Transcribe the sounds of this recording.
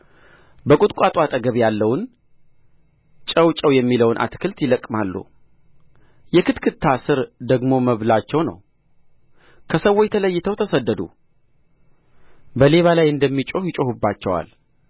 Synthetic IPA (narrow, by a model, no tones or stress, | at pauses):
bəkʼut̪ʼkʷʼat̪ʼwat̪ʼəɡəβjalːəwn | t͡ʃʼəwt͡ʃʼəwjɛmːiləwnʔa̰t̪kʰɨlt̪jɪləkʼmalːṵ | jɛkʰɨt̪kʰɨt̪ʰːasɨɾd̪əɡmo̞məβlat͡ʃːɛwnə̰w | kʰəsəwːojt̪ʰələjːɪt̪ʰəwt̪ʰəsəd̪ːəd̪ṵ | bəle̞βalajɨnd̪əmːit͡ʃʼohjɪt͡ʃʼohubːat͡ʃːɛwa̰l